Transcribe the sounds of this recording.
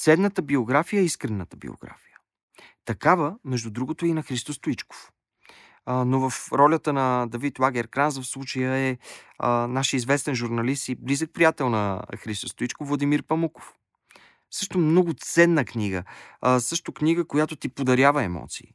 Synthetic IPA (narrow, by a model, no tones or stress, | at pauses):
t̪sɛd̪nət̪əbioɡɾafijəɛiskɾɛnːət̪əbḭo̰ɡɾa̰fijə | t̪ɐkavəmɛʒd̪ud̪ɾuɡot̪oinɐxɾist̪ost̪oit͡ʃko̥f | novəfɾɔlʲət̪ənɐd̪ɐvit̪lˠaɡɛɾkɾanzəfslˠut͡ʃəjəɛ | naʃizvɛst̪ɛnʒuɾnɐlist̪iblizək̚pɾijat̪ɛlˠnɐ̰xɾist̪ost̪ʊit͡ʃkofvlˠɐd̪imiɾpɐmuko̥f | sɤʃt̪omnɔɡʊt̪sɛnːəkniɡə̰sɤʃt̪okniɡəkojat̪ot̪ipod̪ɐɾʲjavəɛmɔ̰t̪sḭː